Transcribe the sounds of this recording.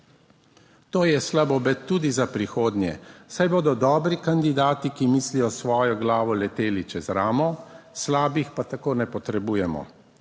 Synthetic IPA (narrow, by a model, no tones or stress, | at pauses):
t̪oːjɛslabɔbɛt̪ːuːd̪izapɾixoːd̪nʲjɛsajboːd̪ɔd̪ɔːbɾikand̪id̪aːt̪ikimiːslijɔsʋɔːjɔɡlaːʋɔlɛt̪eːlit͡ʃɛzɾaːmɔslaːbixpat̪akoːnɛpɔt̪ɾɛbuːjɛmɔ̰